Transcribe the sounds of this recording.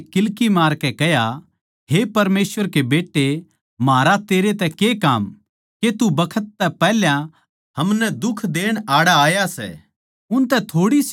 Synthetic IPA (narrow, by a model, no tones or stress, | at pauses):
kɪlkimaːɾkɛkɛja | ɦepɐɾmeːsʋəɾkebeːʈːe | maːɾat̪eːɾet̪ɛkekaːm | ket̪ubɐkʰət̪ːɛpɛɦljã | hɐmnɛd̪ʊkʰd̪eːɽ̃aːɽaaːjasɛ̰ː | ʊnt̪ɛt̪ʰoːɽis